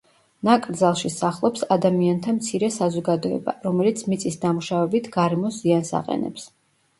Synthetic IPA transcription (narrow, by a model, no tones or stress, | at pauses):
nakʼɾd̪zalˠʃisaχlˠɔpsad̪amiant̪ʰamt̪sʰiɾɛsazɔɡad̪ɔɛ̰ba̰ɾɔmɛlit̪sʰmit̪sʼisd̪amuʃavɛbit̪ʰɡ̥aɾɛmɔsz̥iansa̰qʼɛ̰nɛ̰ps